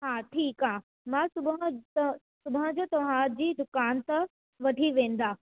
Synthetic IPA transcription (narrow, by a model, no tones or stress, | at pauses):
ɦaːʈʰiːkɦãː | mãsʊbɦt̪ɐ | sʊbãə̃d͡ʑoːt̪ɐʋ̤ãd͡ʑiːd̪ʊkaːnt̪ɐ | ʋɐʈʰiʋẽːn̆d̪aː